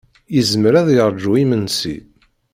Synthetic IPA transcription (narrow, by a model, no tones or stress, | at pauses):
jəzmɾæðjəɾˤd͡ʒuimənsḭ